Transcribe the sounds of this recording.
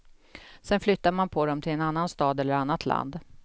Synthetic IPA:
sɛnflʏt̪ːamanpʰɔd̪ɔmt̪ʰɪlɛnanːanst̪ɑːd̪ɛlːəɾanːat̪ʰla̰nd̪

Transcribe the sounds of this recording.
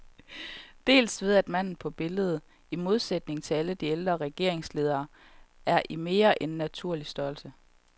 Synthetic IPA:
d̥e̝̰ːlsʋe̝ð̞ˠæd̥mæn̰n̩pʰɒ̽b̥e̝ləð̞̩ˠ | imo̝ð̞ˠsed̥̚ne̝ŋt͡sʰe̝æləd̥ield̥ʁɐʁɛɡ̥e̝̰ɐ̰eŋsle̝ːð̞ˠɐː | æɐʔime̝ːɐʔe̝nːæt͡sʰuɐ̰lisd̥ɒlsə

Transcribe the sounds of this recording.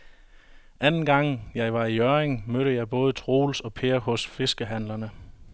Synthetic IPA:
ʔænn̩ɡ̥ɑ̈ŋ̰jɑ̈ɪʋɑ̈iœɐeŋmøɾəjɑ̈ɪb̥ɔ̽ːð̞̩ˠt͡sʰʁo̝̰ːlsɒ̽pʰe̝ːɐhɔ̽sfe̝sɡ̥əɦæn̰lɐnə

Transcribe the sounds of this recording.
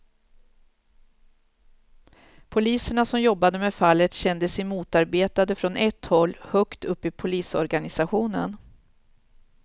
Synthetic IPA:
pʰʊliːsəɳasɔmjɔbːad̪əmɛfalːət̪ɕɛnd̪əsɛjmuːt̪aɾbeːt̪ad̪əfɾɔnʔɛt̪hɔlːhœkt̪ɵpːɪpʰʊliːsɔɾɡanɪsaɧuːnə̰n

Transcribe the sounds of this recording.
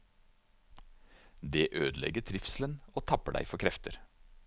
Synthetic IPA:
d̪eːʔøːd̪lɛ̰ɡəʈ̪ʰɾɪfslənoːt̪ʰɑpəɖæ̰ɪfɔɾkʰɾɛft̪əɾ

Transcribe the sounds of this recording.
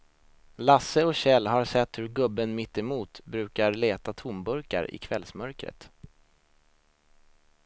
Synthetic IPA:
lasəɔɕɛlːɦaɾsɛt̪ːhɵɾɡɵbːənmɪt̪ːɛmuːt̪bɾʉ̟ːkaɾleːt̪at̪ʰʊmbɵɾka̰ɾɪ̰kʰvɛlsmœɾkɾə̰t̪

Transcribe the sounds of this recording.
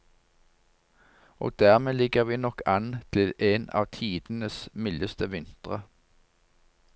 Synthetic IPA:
ʔo̰ːd̪æːʁmeːlɪɡəʁʋiːnɔkɑnt̪ʰɪlʔeːnɑ̰ːʋt̪ʰiːd̪̥n̩əsmɪləst̪əʋɪnt̪ʁə

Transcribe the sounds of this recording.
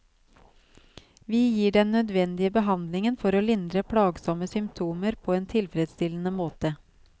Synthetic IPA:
ʋiːjiːɖɛnːœd̪ʋɛnd̪ɪəbəɦɑnd̪lɪŋənfɔɾoːlɪnd̪ɾəpʰɽɑːɡsɔməsʏmpt̪ʰuːməɾpʰoːeːnt̪ʰɪlfɾɛd̪st̪ɪlən̩əmoːt̪ə

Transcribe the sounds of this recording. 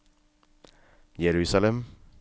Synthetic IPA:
jɛɾʉːsalɛm

